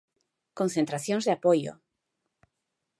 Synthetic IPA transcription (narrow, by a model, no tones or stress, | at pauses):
kõnθent̪ɾaθjõnzðeapojo̰